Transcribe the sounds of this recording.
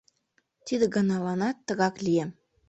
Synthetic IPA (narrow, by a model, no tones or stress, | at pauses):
t̪id̪ɘ̆ɡɑnɑlˠɑnɑt̪ːɤ̆ɣɑklʲijem